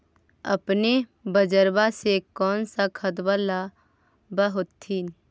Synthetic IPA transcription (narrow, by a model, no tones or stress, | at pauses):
ə̰pnebəd͡ʒəɾbasekɔːnsakʰəd̪bəla | bəɦot̪ʰːin